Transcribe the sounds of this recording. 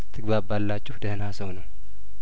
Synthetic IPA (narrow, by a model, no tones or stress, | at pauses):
t̪ʰɨɡβabalːat͡ʃʼːɪhd̪əhnasəwnəw